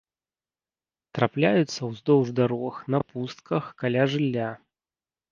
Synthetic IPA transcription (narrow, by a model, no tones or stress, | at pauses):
t̪ɾaplʲajut̪sːɐwzd̪ɔwʐd̪aɾɔxnɐpust̪̚kɐxkalʲaʐɨlʲːa